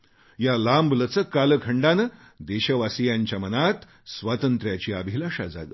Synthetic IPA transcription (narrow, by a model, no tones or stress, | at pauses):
jalamblət͡səkːaləkʰəɳɖanə | d̪eɕəʋasijaɲt͡ɕjamənat̪ | sʋat̪ənt̪ɾjat͡ɕiːabʱilaʂad͡za̰ɡə̰